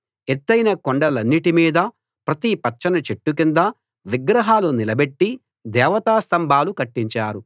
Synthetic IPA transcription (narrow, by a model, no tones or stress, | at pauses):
et̪ːɐjnɐkoɳɖɐlɐnːiʈimiːd̪ɐ | pɾɐt̪ipɐt͡ʃːɐnɐt͡ʃeʈːukind̪ɐ | ʋiɡɾɐɦaːlunilɐbe̞ʈːi | d̪ɛːʋɐt̪aːst̪ɐmbʱaːlukɐʈːiɲt͡ʃaːɾu